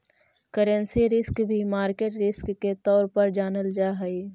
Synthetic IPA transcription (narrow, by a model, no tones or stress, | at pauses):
kəɾənsiɾɪskbʱimaːɾkeːʈɾɪskːet̪ɔːɾpɐɾd͡ʒaːnəld͡ʒaːɦɐiː